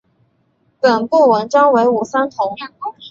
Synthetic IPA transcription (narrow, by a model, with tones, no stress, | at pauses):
pə˨˩npu˥˩wə˧˥nʈ͡ʂɑ˥ŋwe˧˥ɪu˨˩sa˥nt̪ʰʊ˧˥ŋ˩˥